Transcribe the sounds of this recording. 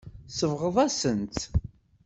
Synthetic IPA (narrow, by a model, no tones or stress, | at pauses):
səvʁəðˤæsənt̪